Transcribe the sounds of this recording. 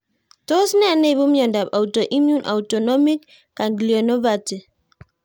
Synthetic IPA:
to˦snɛ˦a˨ne˦˨bu˦mjɔ˨nda˨pa˨wtɔ˨ʔi˦mju˦nʔa̰˨wtɔ˨nɔ˦mi˦kː | a˨nɡli˨ɔ˨nɔ˦va˨ti˨

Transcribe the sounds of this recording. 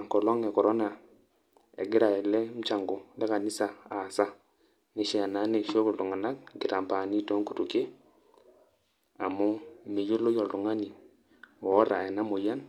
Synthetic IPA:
ŋkɔ˨lɔ˦ŋɛ˨kɔ˨ɾɔ˦na˨ | ḛ˨ɡɪ˦ɾa˨ɛ˨lɛ˦m̩˦t͡ʃa˨ŋɡo˨lɛ˦ka˨ni˦sa˨a˨sa˦ | ni˦ʃɛ˦a˨na˦ne˨ʃo˦ku˨ltu˨ŋa˨na˦k̚ɡɪ˨ɾa˨mpa˨ni˦tɔ˦ŋku˨tu˨ke˦ | a˨mu˦mi˨ju˦lo˦jɔ˨ltu˨ŋa˦ni˨ | wɔ˦ɾa̰˨ɛ˨na˦mo˨ja˦n

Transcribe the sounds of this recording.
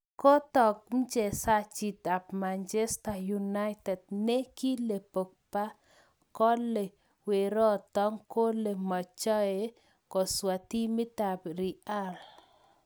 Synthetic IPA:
kɔ˦t̪ɔ˨k̚m̩˦d͡ʒe˨sa˦t͡ʃi˨t̪a˨pma˨nt͡ʃe˦sta˨juna˦jtɛ˨d̚ne˦ki˦le˨po˨k̚pa˦ | kɔ˦le˨ | we˨ɾɔ˦t̪ɔ˦ŋko˦le˨mɔ˨t͡ʃɔ˦e˨ | kɔ˨swa˨t̪i˦mɪ˦t̪a˨bɾi˨a˦l

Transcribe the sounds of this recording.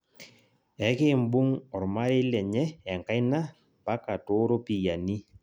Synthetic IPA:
ɛ˨˦kɪ˦˨m̩˦bu˦ŋɔ˨ɾma˦ɾɪ˦lɛ˨ɲɛ˦ja˨ŋ˨ka˦jna˦ | pa˦ka˨to˦ɾo˦pi˨ja˨ni˦

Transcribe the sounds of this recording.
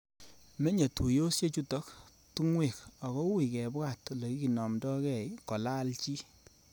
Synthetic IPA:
me˦ɲe˨tʰu˨jo˦sje˦t͡ʃu˦tɔ˦k | tu˦ŋwe˨kɔ˨kɔ˦wi˨kɛ˨ba˦˨tle˨ki˦ki˨nɔ˨mdɔ˦kɛ˦˨jkɔ˨la˦lt͡ʃi˦

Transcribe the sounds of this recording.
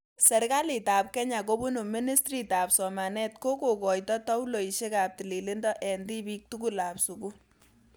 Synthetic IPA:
sɛ˨rka˦li˨ta˨p̚kɛ˦ɲa˨ko˦bu˦nu˨mi˦ni˦strita˨psɔ˨ma˨nɛ˦tko˦ko˨kɔ˨jtɔ˦ta˦u˦lo˨i˨ʃe˦ka˨p̚ti˨le˨le˦ndɔ˦ʔɛ˨ndi˦bi˦k̚tu˦ku˦la˨psu˨ku˦

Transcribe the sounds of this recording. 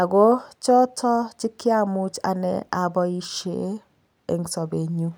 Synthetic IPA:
a˨ɡo˦t͡ʃɔ˦tʰɔ˦t͡ʃɪ˦kɪ˦a˦mu˦t͡ʃa̰˨nɛ̰˨a˨bɔ˦i˦ʃe˦ | ḛ˨ŋ˨sɔ˨be˨ɲu˦

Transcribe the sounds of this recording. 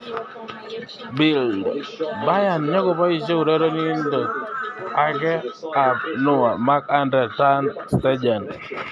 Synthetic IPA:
bɪ˨ldba˦ja˨nɲɔ˦kɔ˨pa˦i˨t͡ʃe˦u˨ɾɛ˦ɾɔ˦ni˦ndɔ˨ | a˦kɛ˦a˨pnʊ˦wa˨ma˦ka˦ndɾɛ˨ta˦nstɛ˦d͡ʒa˨n

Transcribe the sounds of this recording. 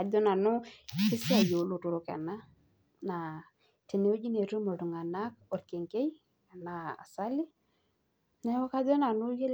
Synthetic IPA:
a˨dɔ˦na˨nʊ˦sɪ˦sɪ˦a˨jo˨lu˦˨tu˨ɾʊ˨˦ka̰˨na˦ | na˨ | ti˨ne˦o˦d͡ʒi˦ne˨ɾu˦mo˨tu˨ŋa˨na˦kɔ˨ɾke˨ŋke˦j | a˨na˨a̰˨sa˦li˦ | na˦wa˦ka˦dɔ˦na˨nʊ˦je˦l

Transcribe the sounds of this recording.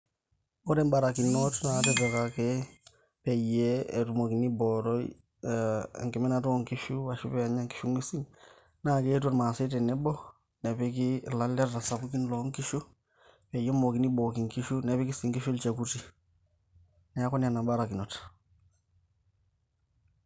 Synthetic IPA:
o˦ɾe˦mbaɾakinotna˨tete˨kake | pe˨jeetu˨mo˨ki˨ni˦boɾoi˨ | ŋke˨me˦natu˦oŋki˦ʃu˦wa˨ʃu˦peaɲa˦ŋki̥ʃu˦ŋɡi˦si˦n | nake˦t̬uɾma˨si˦te˨ne˦bo˦ | ne˨pikilale˦ɾta˨sa˨buki˦nlo˦ŋki˦ʃu˦ | pe˨jɛ˦moki˨ni˦boki˨ŋki˦ʃu˦ne˨pi˦ki˦si˨ŋki˦ʃu˦lt͡ʃe˨kuti˨ | nɛ˨a˦ko˦nia˨na˨baɾa˨ki˨no˨t

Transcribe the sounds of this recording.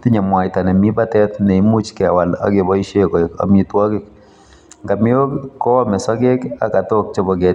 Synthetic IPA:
t̪ɪ˦ɲa˨mwa˨jt̪a˨nɛ˨mi˦ba˦t̪ɛ˦t̪nɛ˨i˦mu˦t͡ʃkɛ˨wa˨la̰˦ɡe˨bɔ˦i˦ʃe˦kɔ˨e˨ka̰˨mi˦twɔ˦ɡɪ˦˨k | ŋɡa˨mɪ˦o˦kkːɔ˦mɛ˨sɔ˦ɡe˦ka̰˨ka˨t̪o˦k̚t͡ʃo˦bɔ˨ɡɛ˨t

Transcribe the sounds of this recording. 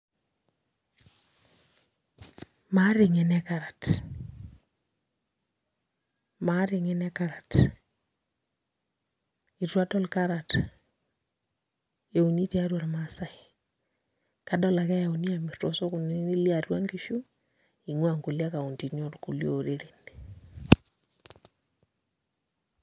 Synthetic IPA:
ma˦ɾɪ˨ŋɛ˨nɛ˦ka˨ɾa˨t | ma˦ɾɪ˨ŋɛ˦nɛ˦kaɾa˨t | i˨twa˦tɔ˦lka˦ɾa˨t | e˨u˨ni˦te˦a˦ɾwa˨ɾmasa˦i | kadɔ˦la˨kɛ˦ja˨u˨ni˦a˨mitɔ˨sɔ˦ku˨ni˦i˦li˦arwa˦ŋkiʃu˦ | i˨ŋwa˨ŋku˨lja˦ka˨u˨nti˨njɔ˦ɾku˨ljo̰˨ɾe˦ɾe˨ni

